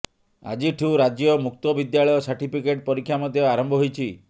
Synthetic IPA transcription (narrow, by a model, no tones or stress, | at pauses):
a̰d͡ʒiʈʰiuɾad͡ʒjɔmuk̚t̪ɔbid̪jaɭɔjɔsaɾʈipikeʈ̚pɔɾikʰːjamɔd̪jɔaɾɔmbʱɔɦojt͡ʃʰi